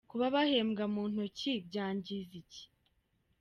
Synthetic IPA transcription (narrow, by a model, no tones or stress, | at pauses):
kuβaβahe̞ːmɡamuːn̥hucibɟaːɲɟizici̥